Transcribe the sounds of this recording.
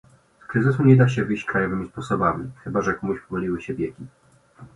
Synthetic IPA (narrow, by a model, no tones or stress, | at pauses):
skɾɘzɘs̬uɲɛd̪aɕ̬ɛvɘjɕt͡ɕkɾajɔvɘmʲispɔsɔbamʲixɘbaʐɛkɔmuɕpɔvɔlʲiwɘɕɛbʲjekʲi